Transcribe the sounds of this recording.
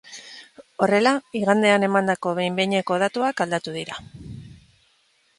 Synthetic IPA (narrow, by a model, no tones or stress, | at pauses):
o̞re̞laiɣ̞and̪e̞ane̞mand̪ako̞βe̞jmbeɲe̞ko̞ð̞at̪uakald̪at̪uðiɾa